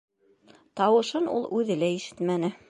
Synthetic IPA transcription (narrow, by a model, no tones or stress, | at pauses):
t̪ɑwɤ̆ʃɤnṵlˠʉðɘ̆læiʃɘ̥t̪mænɘ